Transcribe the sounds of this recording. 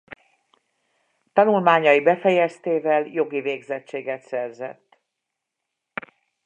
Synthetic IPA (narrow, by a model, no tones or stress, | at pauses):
t̪ɒnulmaːɲɒjibɛfɛjɛst̪eːvɛljo̞ɡiveːɡzɛt͡ʃːeːɡɛt̪sɛrzɛ̰t̪ː